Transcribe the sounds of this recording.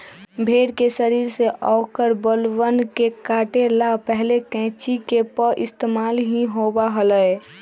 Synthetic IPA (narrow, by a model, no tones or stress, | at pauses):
bʱeɾkesəɾiːɾseʔɔːkəɾbəlwənkekaːʈelapɛɦlekɛ̃t͡ʃikepəʔɪst̪emaːlɦĩɦobaɦələj